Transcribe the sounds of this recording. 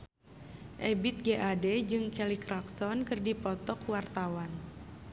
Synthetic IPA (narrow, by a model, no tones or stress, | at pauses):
ʔɛbit̪̚ɡeʔadɛd͡ʒɨŋkɛlikɾak̚t̪ɔnkɨrdipɔt̪ɔkwart̪awan